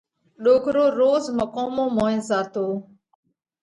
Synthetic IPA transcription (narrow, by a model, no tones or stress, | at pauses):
ɗoːkɾoːɾoːzməkoːmõːmõːẽzaːt̪oː